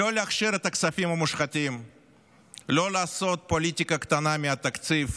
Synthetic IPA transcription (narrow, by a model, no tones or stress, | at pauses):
oleaχʃiɾɛt̪ɐksafʲimɐmuʃχat̪ʲim | lolaːso̞t̪̚polʲit̪ʲikɐkt̪anamʲiat̪akt̪sif